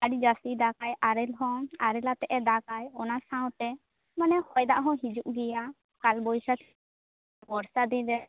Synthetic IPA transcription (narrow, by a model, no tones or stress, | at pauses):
aɖd͡ʒast̪id̪akajaɾɛlɦɔ̃aɾɛlat̪ɛʔɛd̪akajɔnasãwʈɛ | manɛhɔjd̪aʔɦɔ̃ɦid͡ʒuʔɡɛja | kalbɔjsat̪ʰ | bɔɾsad̪id̪ɛ